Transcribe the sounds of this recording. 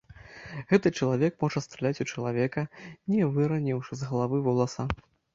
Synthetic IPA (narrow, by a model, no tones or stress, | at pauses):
ɣɛt̪ɨt͡ʂɐlˠavʲɛk̚mɔʐɐst̪ɾɛlʲat͡sʲut͡ʂɐlˠavʲɛkɐnʲɛvɨɾɐnʲɛwʂɨzɣɐlˠavɨvɐlˠasa